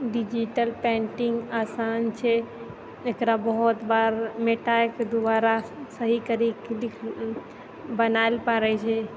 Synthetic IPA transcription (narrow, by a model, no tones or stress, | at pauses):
ɖid͡ʒiʈəlpẽːɳʈɪŋɡaːsaːnt͡ʃʰe | ekɾabɐɦɔt̪baːɾmeʈaked̪ʊbaːɾasəɦikəɾiklɪkʰ | bɐnaːɪlpaɾəit͡ʃʰe